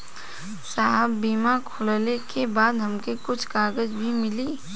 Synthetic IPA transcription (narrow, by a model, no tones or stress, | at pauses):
saːɦəbːiːmakʰoːllekebaːd̪ɦɐmkekʊt͡ʃʰkaːɡəd͡ʒbʱimɪliː